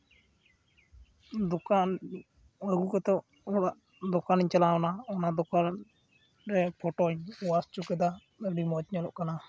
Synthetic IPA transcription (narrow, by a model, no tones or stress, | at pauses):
d̪ɔkan | əɡukɛt̪ɔʔ | ɔlaʔ | d̪ɔkanɲt͡ʃalaɔnaɔnad̪ɔkan | ɾɛpʰɔʈɔɲɔwast͡ʃukɛd̪a | ɖimɔt͡ʃɲɔlɔ̰ʔkana